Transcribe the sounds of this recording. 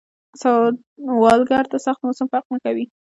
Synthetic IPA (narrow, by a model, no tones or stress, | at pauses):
sa | wɑlɡaɾt̪asaxt̪mʊsamfaq̚nakawi